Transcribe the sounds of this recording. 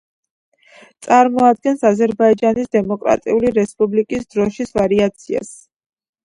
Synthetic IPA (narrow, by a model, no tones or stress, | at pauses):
t̪sʼaɾmɔad̪̚ɡɛnsazɛɾbaid͡ʒanisd̪ɛmɔkʼɾa̰t̪ʼḭuliɾɛspʼublikʼisd̪ɾɔʃisvaɾiat̪sʰia̰s